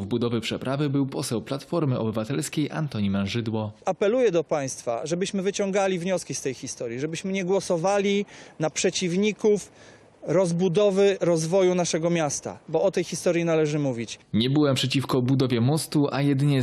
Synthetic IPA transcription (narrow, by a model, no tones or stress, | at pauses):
vbud̪ɔvɘpʂɛpɾavɘbɘwpɔsɛwplat̪fɔɾmɘʔɔ̰bɘvat̪ɛlskʲejʔa̰nt̪ɔɲimɛnʐɘd̪wɔapɛlujɛd̪ɔpaj̃st̪fa̰ʐɛbɘɕmɘvɘt͡ɕɔŋɡalʲivɲɔskʲist̪ɛjxʲist̪ɔɾʲjiʐɛbɘɕmɘɲɛɡwɔsɔvalʲinapʂɛt͡ɕivɲikuf | ɾɔzbud̪ɔvɘɾɔzvɔjunaʂɛɡɔmʲjast̪a̰bɔɔt̪ɛjxʲist̪ɔɾjinalɛʐɘmuvʲit͡ɕɲɛbɘwɛmpʂɛt͡ɕifkɔbud̪ɔvʲjɛmɔst̪uʔajɛd̪ɘɲɛ